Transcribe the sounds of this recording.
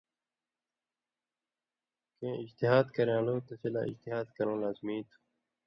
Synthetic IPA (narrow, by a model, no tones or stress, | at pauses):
kẽːɪd͡ʑt̪ɪɦaːd̪kɐɾãːloːt̪ɐsela̰ːɪ̰d͡ʑt̪ɪɦaːd̪kɐɾõːlaːzmiːt̪u̥